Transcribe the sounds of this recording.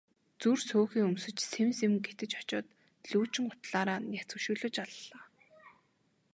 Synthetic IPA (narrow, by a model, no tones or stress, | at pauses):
t͡sursoːxiːŋɵmsɵ̆t͡ɕsemsemɡet̪ɘ̆t͡ɕɔ̥t͡ɕɔːt̪ | ɮuːt͡ɕɪ̆ŋʊ̥t̪ɮaːɾaːnjat͡sɵ̆ʃŭːɮɵ̆t͡ɕaɮːaː